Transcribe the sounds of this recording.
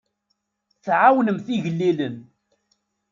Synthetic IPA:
θʕawnəmθiʝəlːilən

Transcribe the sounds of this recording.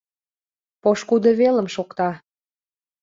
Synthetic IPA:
poʃkud̪ə̆βelə̆mʃokt̪ɑ

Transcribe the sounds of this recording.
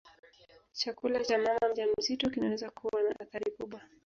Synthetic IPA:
t͡ʃakulat͡ʃamamam̩ʄam̩zitɔkinawɛzakʰuwanaʔaθaɾikuɓwa

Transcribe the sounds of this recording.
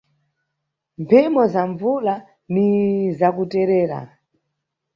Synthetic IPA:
mpʰɛmɔzaɱvula | nizakutɛɾɛːɾa̰

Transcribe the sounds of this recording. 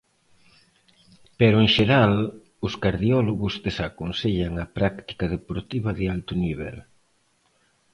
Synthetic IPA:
peɾʊeŋʃeɾal | ʊskaɾðiɔloɣʊzðesakonseʎaŋɐpɾakt̪i̥kað̞epoɾt̪iβɐðɪalt̪ʊniβɛ̰l

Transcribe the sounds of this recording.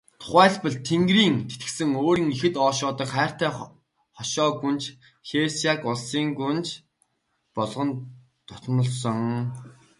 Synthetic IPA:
t̪ʰʊ̥χæːɮpə̆ɮt̪ʰeŋɡriːŋt̪ʰet̪ɘ̥̆sɘ̆ŋoːɾiːŋixɘ̆t̪ɔːʃʊːt̪ə̆kχæːr̥t̪æː | χɔʃɔːɡunt͡ɕ | xesakʊɮsiːŋɡunt͡ɕ | pɔɮʁɞ̆n | t̪ʰʊ̥t̪̆nə̆ɮsɞ̆ŋ

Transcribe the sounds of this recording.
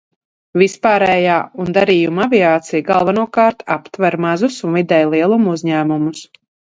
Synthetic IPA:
vispaːɾɛːjaːund̪aɾiːjumavʲiaːt̪sijɡalˠvanuɔkaːɾt̪a̰pt̪vaɾmazusunvid̪ɛjlˠiɛlˠumuzʲɲæːmumus

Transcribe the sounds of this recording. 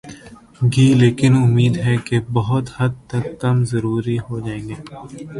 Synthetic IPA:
ɡiːleːkɪnʊmːiːd̪ɦɛkebɐɦʊt̪hɐd̪̚t̪ɐkːɐmzɐɾuːɾiɦod͡ʒaːẽːŋɡeː

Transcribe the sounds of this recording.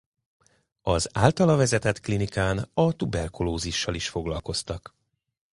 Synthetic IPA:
ɒzaːlt̪ɒlɒvɛzɛt̪ɛt̪klinikaːnɒt̪ubɛrkuloːziʃːɒliʃfo̞ɡlɒlko̞st̪ɒk

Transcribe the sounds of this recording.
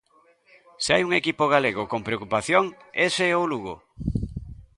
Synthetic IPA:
seajuŋekipoɣ̞aleɣokompɾeokupaθjoŋeseowluɣo̰

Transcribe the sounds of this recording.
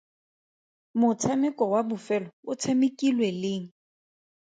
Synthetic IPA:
mʊt͡sʰamɛkʼɔwabʊfɛlɔʊt͡sʰemɪkʼilwelɪːŋ̩

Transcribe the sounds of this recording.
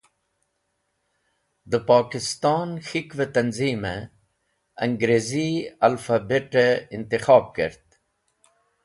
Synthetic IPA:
d̪əpɑːkɪst̪ɑːnxikʋet̪ɐnziːme | ɐŋɡɾeziɐlfabeʈeɪnt̪ɪxɑːb̚kə̰ɾt̪

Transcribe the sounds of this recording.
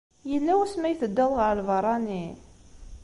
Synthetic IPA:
jəlːæwæsmæjθəd̪ːæðʁəɾəlvɑɾˤɑni

